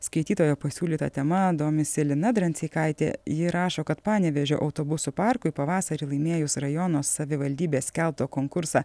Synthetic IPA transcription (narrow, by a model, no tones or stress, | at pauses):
skɐɪt̪ʲiːt̪oːjoːpɐsʲuːlʲiːt̪ɐ̰t̪ʲɛmɐd̪oːmʲɪsʲɪlʲɪnɐd̪ɾɐnʲt̪sʲiːkɐɪt̪ʲḛːjɪɾɑːʃoːkɐt̪pɑːnʲɛʋʲɛʒʲo̰ːʔɐʊt̪oːbʊsʊpɑɾkʊɪpɐʋɑːsɐɾʲiːlˠɐɪmʲeːjʊsɾɐjɔːnoːsɐʋʲɪʋɐlʲd̪ʲiːbʲeːsʲkʲɛlˠp̚t̪oːkoːŋkʊɾsɑ